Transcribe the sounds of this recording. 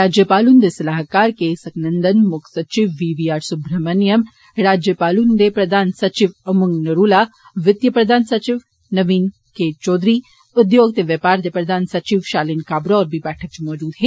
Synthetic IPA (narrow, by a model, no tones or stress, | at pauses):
ɾaːd͡ʒjəpaːlund̪esɐlaːɦkaːɾkesɐknɐnd̪ɐnmʊkʰsɐt͡ʃiʋːiːʋiːaːɾsʊbɾɐmɐnjɐm | ɾaːd͡ʒjəpaːlund̪epɾɐd̪ʱaːnsɐt͡ʃiʋɐmuŋɡnɐɾuːlaː | ʋɪd̪jɐpɾɐd̪ʱaːnsɐt͡ʃiʋ | nɐʋiːn | keːt͡ʃɔːd̪ɾi | ʊd̪joːɡ̚t̪eʋjɐpaːɾd̪epɾɐd̪ʱaːnsɐt͡ʃiʋʃaːlinkaːbɾoɔːɾbibɛːʈʰɐk̚t͡ʃimɔːd͡ʒuːd̪ɦɛː